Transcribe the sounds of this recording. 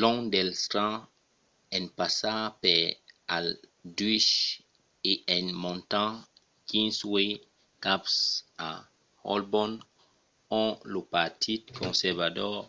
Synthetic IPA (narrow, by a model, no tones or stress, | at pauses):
lɔ̃d̪ɛlst̪ã | ɛ̃npasapɛaldɥiʃ | eʔɛ̃nmɔ̃nt̪ã | kĩnswe | kapsa | hɔ̰lbɔn | ɔ̃lopat̪ʰit̪kʰɔ̃sɛʁvad̪ɔ